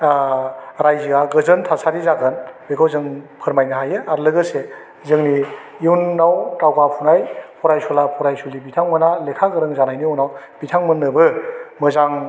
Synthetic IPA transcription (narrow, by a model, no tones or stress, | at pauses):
ɾajziɡaɡɯzɯntʰasʰaɾizakʰɯnbekʰawzɯŋpʰɯɾmajnaɦajɯaɾlɯɡɯse | zɯŋni | uwnːawtawɡapʰunajpʰɔɾajsulapʰɔɾajsulibitʰaŋmɯnalekʰaɡɯɾɯŋzanajnionawb̥itʰaŋmɯnːɯbɯmɯzaŋ